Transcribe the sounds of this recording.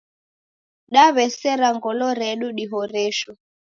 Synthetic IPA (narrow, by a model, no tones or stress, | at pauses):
ɗaβɛsɛɾaŋɡɔlɔɾɛɗuɗiɦɔɾɛʃɔ